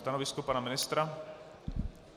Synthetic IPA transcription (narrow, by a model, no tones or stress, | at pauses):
t̪anɔʋiskɔpaːnamɪnɪst̪ɾa